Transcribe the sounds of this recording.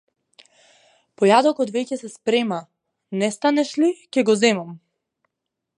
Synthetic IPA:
pɔjad̪ɔkɔt̪vɛcɛsɛspɾɛma | nɛst̪anɛʃlicɛɡɔzɛmam

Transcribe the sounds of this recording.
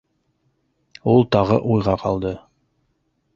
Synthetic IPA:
ulˠt̪ɑʁɤʔujʁɑqɑlˠd̪ɤ

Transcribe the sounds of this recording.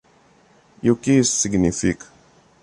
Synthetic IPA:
jukisːiɡnifik

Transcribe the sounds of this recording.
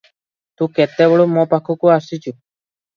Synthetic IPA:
t̪ũket̪ebɔɭumɔpakʰɔkuasit͡ʃʰu

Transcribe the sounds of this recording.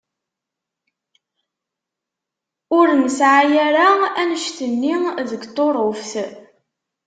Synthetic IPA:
ʊɾnəsʕajaɾaænəʃθənːiðəɡt̪ˤːoɾˤofθ

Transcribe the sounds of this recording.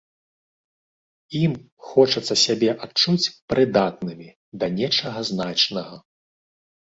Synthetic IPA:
im | xɔt͡ʂɐt̪sːɐsʲabʲɛʔat͡ʂut͡sʲpɾɨd̪at̪nɨmʲi | d̪ɐnʲɛt͡ʂɐɣɐznat͡ʂnɐɣɐ

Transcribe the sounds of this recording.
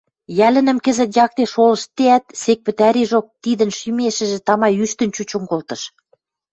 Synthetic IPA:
jælə̆nə̆mkə̆zə̆t̪jɑk̚t̪eʃolə̆ʃt̪ːeæt̪̚sek̚pə̆t̪æɾiʒok̚t̪id̪ə̆nʃymeʃɘ̆ʒĕt̪ɑmɑjyʃt̪ə̆nt͡ɕut͡ɕoŋkolt̪ɤ̆ʃ

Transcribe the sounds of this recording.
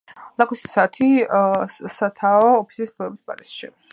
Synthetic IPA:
lˠakʰusʰsat̪ʰi | sat̪ʰaɔːpʰi̥sisbʰɛbisba̰ɾisʃḭ

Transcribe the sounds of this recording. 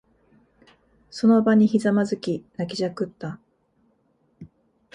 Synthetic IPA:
so̞no̞baɲ̟içizamazɨkʲinakʲiʑakɯ̟t̪ːa

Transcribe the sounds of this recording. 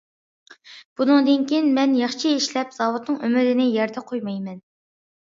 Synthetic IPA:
b̥unɨŋd̪ɨnkʲinmɛnjɑχt͡ʃʰieʃlɛpz̥ɑwut̪nɨŋømɪɾɪnɪjɛɾd̪ɛqʰojmɑjmɛn

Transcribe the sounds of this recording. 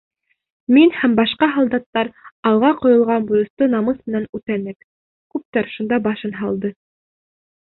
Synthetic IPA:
minhæmbɑʃqɑɦɑlˠd̪ɑt̪ːɑɾɑlˠʁɑqŏjŏlˠʁɑnbujŏst̪onɑmɤsmɘ̆nænʉt̪ænɘk | kʉp̚t̪æɾʃund̪ɑbɑʃɤnɦɑlˠd̪ɤ

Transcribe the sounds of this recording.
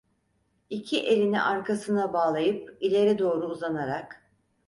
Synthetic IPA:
icʰiʔe̞lʲinḭʔaɾkʰasɯnabaːlˠajɯpilʲe̞ɾɛd̪o̞ːɾuːzanaɾak

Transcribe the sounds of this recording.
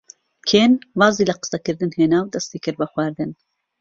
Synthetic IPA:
kʰeːnvɑːziːlɐqə̥sɐkɨɾd̪ɨnheːnaːwd̪ɐst̪ikɨɾbɐxwaːɾd̪ɨn

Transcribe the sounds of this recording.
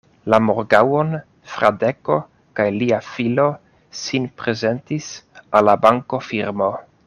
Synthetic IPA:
lamoɾɡawon | fɾadeko̞ | kajliafilo̞ | sinpɾe̞ze̞ntisalːabaŋko̞fiɾmo̞

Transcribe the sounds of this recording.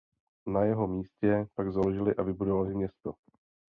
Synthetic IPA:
najɛɦo̞miːscɛpaɡzaloʒɪlɪʔavɪbudovalɪmɲɛst̪o̰

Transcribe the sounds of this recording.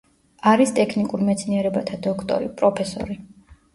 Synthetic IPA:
aɾist̪ʼɛkʰnikʼuɾmɛt̪sʰniɛɾɛbat̪ʰad̪ɔkʰt̪ʼɔ̰ɾipʼɾɔpʰɛsɔ̰ɾi

